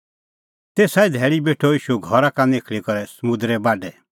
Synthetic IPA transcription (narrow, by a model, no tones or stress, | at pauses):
t̪eːsaːid̪ʱɛːɭibeːʈʰɔiːʃuɡʱɔɾakanekʰɭikɔɾɛsɐmʊ̃d̪ɾɛbaːɖɛ